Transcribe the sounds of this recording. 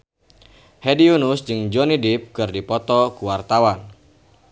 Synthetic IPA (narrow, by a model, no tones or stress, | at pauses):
hediunusd͡ʒɨŋd͡ʒɔnidip̚kɨrdipɔt̪ɔkuwart̪awan